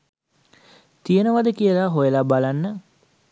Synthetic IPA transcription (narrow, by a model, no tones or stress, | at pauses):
t̪ijənəʋad̪əkijəlaɦojəlabalanːə